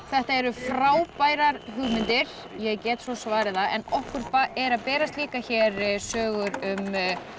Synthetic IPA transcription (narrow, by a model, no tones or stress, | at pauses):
θɛht̪aɛɾʏfɾaːwpaːjɾaɾɦʏɣmɪnt̪ɪɾ̥ | jɛɛɾcɛːt̪sɔsvaːɾɪðaɛ̰nɔhkʏɾpaɛɾaðpɛːɾast̪liːkaçɛɾsœːɣʏɾʏm